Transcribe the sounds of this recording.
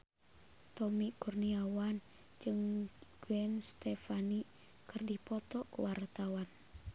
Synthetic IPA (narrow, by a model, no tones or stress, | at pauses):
t̪ɔmikurniawan | d͡ʒɨŋɡ̥uɛnst̪ɛfani | kɨrdipɔt̪ɔkuwart̪awan